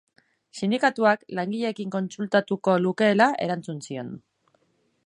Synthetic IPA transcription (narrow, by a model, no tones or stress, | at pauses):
sind̪ikat̪uaklaŋɡiʎe̞kiŋko̞nt͡sult̪at̪uko̞luke̞ːlaʔe̞ɾant͡sunsio̞n